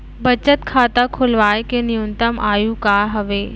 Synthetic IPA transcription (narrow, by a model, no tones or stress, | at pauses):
bɐt͡ɕət̪kʰaːt̪akʰʊlʋaːjkenijunt̪əmʔaːjũkaːɦɐʋeː